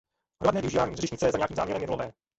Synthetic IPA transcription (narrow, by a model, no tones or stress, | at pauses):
ɦɾoadnɛːvɪuʒiːvaːɲiːzrɪʃɲɪt͡sɛjɛzaɲeakiːmzaːmɲɛɾɛmjɛdlovɛː